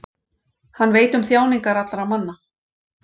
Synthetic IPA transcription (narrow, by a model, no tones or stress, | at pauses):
hanːveːjt̪ʏmθjaːwniŋkaɾat̪laɾamanːa